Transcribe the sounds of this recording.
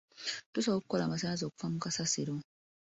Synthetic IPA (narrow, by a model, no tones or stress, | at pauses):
d̥osɔukːɔlamas̬anaz̬ɔku̥famũkasaseɾõ